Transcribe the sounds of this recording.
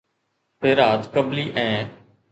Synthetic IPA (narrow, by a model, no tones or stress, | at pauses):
seːɾaːt̪kəbliːʔɛ̃ː